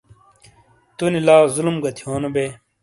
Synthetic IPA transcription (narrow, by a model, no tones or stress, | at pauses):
t̪unilaːzulumɡɐt̪ʰihoːnobe